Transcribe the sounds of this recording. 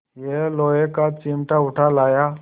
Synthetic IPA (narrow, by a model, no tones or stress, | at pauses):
jeloːjekat͡ʃiːmʈaʊʈʰalaːjaː